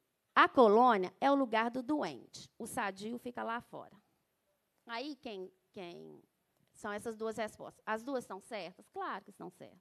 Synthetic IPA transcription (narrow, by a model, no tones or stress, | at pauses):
ɐkolõniɐɛʊluɡaɾd̪ʊd̪uḛ̃nt͡ʃɪ̥ʊsad͡ʒiʊfikɐlafɔ̰ɾɐ | aikẽj̃ | kḛ̃j̃ | sɐ̃w̃ɛsɐzd̪uɐshespɔ̰st̪ɐ̥sɐzd̪uɐsst̪ɐ̃w̃sɛɾt̪ɐsklaɾʊkɪst̪ɐ̃w̃sɛ̰ɾt̪ɐ̥